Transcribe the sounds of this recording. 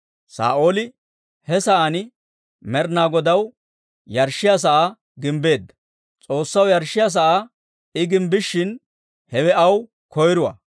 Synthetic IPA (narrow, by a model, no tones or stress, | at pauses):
sa̰ːʔo̞ːlɪ | hɛsɐʔanɪ | mɛɾnaːɡɔd̪ɐw | jɐɾʃːɪjas̬ɐʔa | ɡɪmbe̞ːd̪ːɐ̥ | t͡sʼo̞ːsːɐwjɐɾʃːɪjas̬ɐʔa | ɪɡɪmbɪʃːɪn | hɛwɛɐw | kɔjɾʊwɐ̰ː